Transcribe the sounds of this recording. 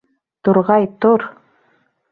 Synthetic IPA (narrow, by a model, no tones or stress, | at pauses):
t̪uɾʁɑjt̪oɾ